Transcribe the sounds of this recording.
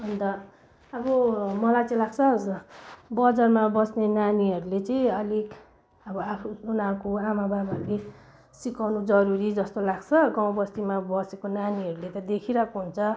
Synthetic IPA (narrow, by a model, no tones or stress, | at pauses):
ʌnt̪ʌ | ʌbʌmʌlajt͡sʌ̃ĩlaɡt͡sʰʌ | bʌd͡zarmabʌsnenaniʌɾulet͡sʌĩʌlik | ʌbʌapʰuunakoamababʌɾule | sikawnud͡zʌɾuɾid͡zʌst̪olaɡt͡sʰʌɡãw̃bʌst̪imabʌsekonaniɦʌɾulet̪ʌd̪ekʰiɾʌkoɦunt͡sʰʌ